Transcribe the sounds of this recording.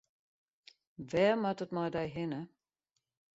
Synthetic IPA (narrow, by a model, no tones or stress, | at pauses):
ʋɛːmatətmɔjdɛjɦɪnə